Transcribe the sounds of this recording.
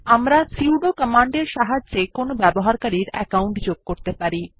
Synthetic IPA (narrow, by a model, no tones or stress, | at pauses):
amɾasiwɖokɔmaɳɖeɾʃaɦad͡ʑt͡ɕekonobɛboɦaɾkaɾiɾɛ̰kawɳʈd͡ʑoɡ̚koɾt̪epaɾi